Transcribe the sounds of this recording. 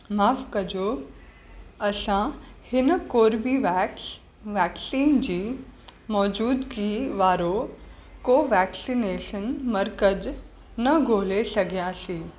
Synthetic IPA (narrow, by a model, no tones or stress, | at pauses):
maːfkɐd͡ʑo | ɐsãhɪnkoːɾbʱiʋ | ʋɛːksiːnd͡ʑiːmɔːd͡ʒuːd̪kiːʋaːɾokoʋɛːksineːʃənmɐɾkəd͡ʒ | nɐɡʱoːlesɐɡʱijãsiː